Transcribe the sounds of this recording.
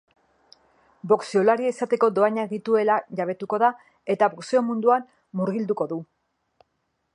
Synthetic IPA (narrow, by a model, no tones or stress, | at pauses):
bo̞ksiolaɾieisat̪e̞ko̞d̪o̞aɲaɣit̪ue̞laʝaβ̞e̞t̪uko̞ða | e̞t̪aβokseo̞mund̪uamː | uɾɣild̪uko̞ðu